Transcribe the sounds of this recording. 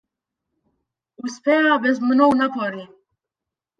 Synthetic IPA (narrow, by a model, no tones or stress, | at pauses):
uspʰɛabɛzmənɔwnapʰɔɾi